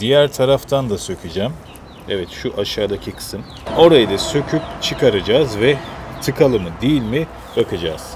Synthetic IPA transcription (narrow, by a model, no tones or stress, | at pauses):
d̪̥ijæɾt̪ʰaɾaft̪ʰand̪asø̞cʰʲid͡ʒæːm | evɛt̪ʃuʔaʃaːd̪acʰiksɯn | o̞ɾajɯd̪asø̞cʰypt͡ʃʰɯkʰaɾad͡ʒaːzvɛt̪ʰɯkʰalˠɯmɯd̪ijilʲmi | bakɯd͡ʒa̰ːz̥